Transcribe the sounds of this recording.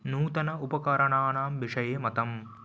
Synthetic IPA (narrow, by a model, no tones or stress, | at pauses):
nuːt̪ɐnɐupɐkɐɾɐɳaːɳaːmʋiʂɐjeːmɐt̪ɐm